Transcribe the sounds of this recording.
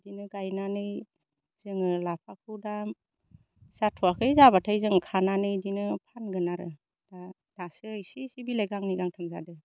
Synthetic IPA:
dinɯɡajnanɯj | z̥ɯŋɯlap̚ʰakʰuda | satʰɔakʰɯjzabatʰajzɯŋkʰananɯjdinɯpʰanɡɯnaɾɯ | d̥a | d̥asɯajsisibilajɡaŋniɡaŋtʰɯmza̰dɯ

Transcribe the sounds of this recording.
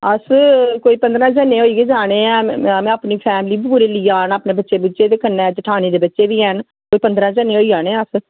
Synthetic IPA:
əskoːiːpə̃nd̪ɾãːd͡ʒənːẽːoːiːkeːd͡ʒaːɽ̃eːãːmɛ̃ːaːpniːpʰɛːmliːbuːɾeːliːaːnaːpneːbətːʃeːbʊt͡ʃeːd̪eːkənːẽːt͡ʃɪʈʰaːnẽːd̪eːbətːʃeːʋiːɛn | koːiːpənd̪ɾãːd͡ʒənẽːoːiːd͡ʒaːɽeːɛ̃əs

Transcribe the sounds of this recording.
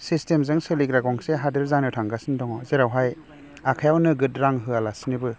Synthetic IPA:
sistemzɯŋsɯliɡɾaɡɔŋseɦadɯɾzaŋnɯtʰaŋɡasindɔŋɔzeɾawɦaj | akʰajawnɯɡɯtɾaŋɦɯalasnibɯ

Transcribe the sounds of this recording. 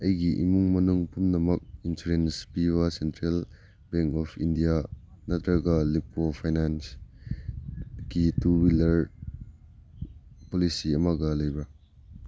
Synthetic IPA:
ɐjɡiʔḭmuŋmɐnuŋpunnɐmɐk̚insuɾenspiβɐsentɾel | beŋkɔpʰindija | nɐt̪ɾɐɡɐlip̚opʰajnans | kitubilɐɾ | polisiɐmɐɡɐlɐjbɾɐ

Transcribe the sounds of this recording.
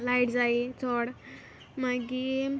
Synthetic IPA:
lajʈd͡zait͡sʰɔɽ | maɡi

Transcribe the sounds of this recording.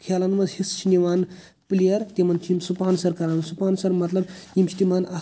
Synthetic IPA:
kʰelɐnmɐzhist͡ʃʰiniʋaːn | plijɐɾt̪emɐnt͡ʃʰiimsupaːnsɐɾkɐɾaːnsupaːnsɐɾmɐt̪lɐbjimt͡ʃʰi̥t̪imana

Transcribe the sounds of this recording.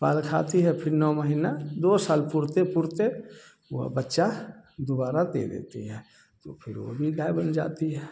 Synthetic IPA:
paːlkʰa̰t̪iɦɛpʰɪɾnɔːməɦinad̪osaːlpuɾt̪epʊɾt̪e | o̰ɦbətːʃad̪obaːɾad̪ḛd̪ḛːt̪ḭɦɛː | t̪o̰pʰɪɾʋo̰bʱiɡaːebənd͡ʒa̰ːt̪iɦɛ

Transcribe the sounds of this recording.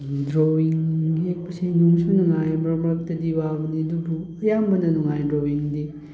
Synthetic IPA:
dɾowiŋɦek̚pɐsijnuŋsunuŋajmɾamɾak̚tɐdiwabɐniɐdubuɐjambɐnɐnuŋajdɾowiŋdi

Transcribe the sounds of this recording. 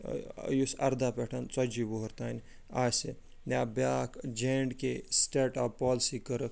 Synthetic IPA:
jusɐ̰ɾd̪apeʈʰɐnt͡sɐd͡ʒiboɦɐɾt̪aːnʲ | aːse | naːbʲaːkd͡ʒeːɳɖkesʈeʈaːpːaːlsikəɾək

